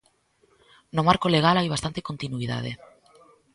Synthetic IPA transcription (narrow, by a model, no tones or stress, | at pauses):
nomaɾkoleɣ̞alajβ̞ast̪ant̪ekont̪inuiða̰ðe